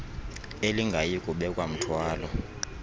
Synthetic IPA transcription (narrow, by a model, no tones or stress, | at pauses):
eliŋɡʱajikʼuɓɛkʼwam̩tʰwaːlɔ